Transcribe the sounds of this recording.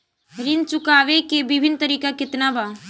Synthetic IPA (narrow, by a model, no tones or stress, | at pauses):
ɾɪnt͡ʃʊkaːʋekebɪbʱɪnt̪əɾiːkakɪt̪naba